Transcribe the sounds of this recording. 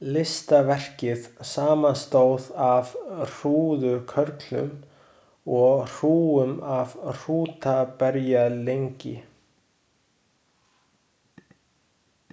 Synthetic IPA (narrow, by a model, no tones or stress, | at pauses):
lɪst̪avɛr̥cɪðsaːmanst̪oːwðavr̥uːðʏkʰœɾk̪lʏ̰m | ɔɣr̥uːʏmavr̥uːt̪apɛɾjalejɲcɪ̰